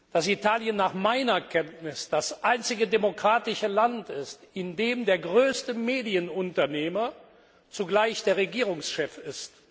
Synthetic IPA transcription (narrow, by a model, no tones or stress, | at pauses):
d̥asitaːljənːaːχmaɪnɐkʰɛntnɪsd̥asʔaɪnt͡sɪɡədemokʁ̥aːtɪʃəlantɪstɪndeːmdeːɐɡʁøːstəmeːdiənʊntɐneːmɐ | t͡suɡlaɪçd̥eːɐʁeɡiːʁʊŋsʃɛfɪst